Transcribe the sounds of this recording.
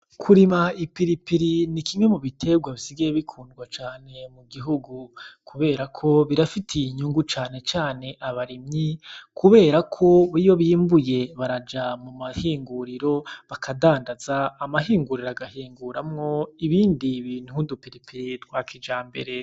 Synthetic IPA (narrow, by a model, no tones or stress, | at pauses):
kʰuɾimaipiɾipiɾinikimwe̞muβitʰe̞bɡwaβisiɡijeβikʰuːndɡwat͡ʃaːne̞muɡiɦuɡukʰuβe̞ːɾakʰo̞βiɾafitʰiiɲuŋɡut͡ʃaːne̞t͡ʃaːne̞ʔaβaɾimɲikʰuβe̞ːɾakʰo̞βijoβiːmbuje̞βaɾad͡ʒamumahiːŋɡuɾiɾo̞βakʰadaːndazaːmaɦiːŋɡuɾiɾoaɡahiːŋɡuɾamŋo̞iβiːndiβiːn̥hudupiɾipʰiɾiɾɡwakʰid͡ʒaːmbe̞̰ɾe̞